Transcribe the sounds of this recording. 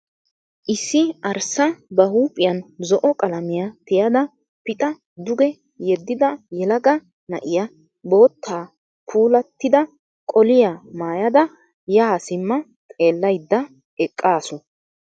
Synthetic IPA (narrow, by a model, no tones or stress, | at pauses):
ʔɪsːɪɐɾsɐbɐhuːpʼɪjɐnzɔʔɔkʼɐlɐmɪjɐt̪ɪjɐd̪ɐ | pɪt̪ʼɐ | d̪ʊɡɛ | jɛd̪ːɪd̪ɐjɛlɐɡɐ | nɐ̰ʔɪjɐ | bo̞ːt̪ʰːaː | pʰuːlɐt̪ːɪd̪ɐ | kʼɔlɪjamaːjɐd̪ɐ | jaːsɪmːɐ | t̪ʼe̞ːlːɐjd̪ːɐ | ɛkʼːaːsʊ